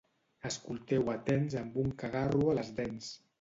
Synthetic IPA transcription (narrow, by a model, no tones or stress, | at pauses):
əskulˠt̪ɛwət̪ɛnzəmbuŋkaɣaruələzðɛns